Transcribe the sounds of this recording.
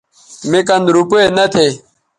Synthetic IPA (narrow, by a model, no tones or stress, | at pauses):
mekɐnd̪ɾupoenɐt̪ʰe